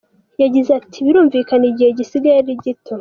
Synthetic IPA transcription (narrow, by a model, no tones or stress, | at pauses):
jaɟizatʰiβiɾuːɱvikaniɟiheɟisiɡaeɾiɟitʰo